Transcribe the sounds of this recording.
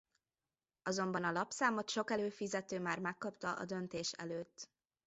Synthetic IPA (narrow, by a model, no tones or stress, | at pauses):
ɒzo̞mbɒnɒlɒpsaːmo̞t̪ʃo̞kɛløːfizɛt̪øːmaːrmɛkːɒpt̪ɒʔɒ̰d̪ønt̪eːʃɛ̰løːt̪ː